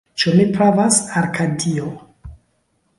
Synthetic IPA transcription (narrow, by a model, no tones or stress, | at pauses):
t͡ʃumipɾavasaɾkʰadio